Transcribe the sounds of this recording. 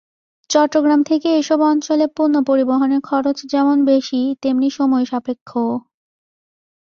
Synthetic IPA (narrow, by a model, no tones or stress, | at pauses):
t͡ɕɔʈːɾoɡɾamt̪ʰekeeʃɔbɔnt͡ɕolepunːopoɾiboɦoneɾkʰɔɾot͡ɕd͡ʑɛmonbeʃit̪emniʃomɔeʃapekʰːo